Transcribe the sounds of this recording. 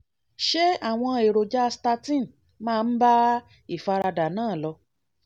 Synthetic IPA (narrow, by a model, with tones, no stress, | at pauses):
ʃe˦a˨w̃ɔ̃˧e˨ɾo˨d͡ʒa˦sta˧tĩ˦˨ | mãː˦˧n̩˦ba˦ | i˦˨fa˧ɾa˧da˨nãː˦˨lɔ˧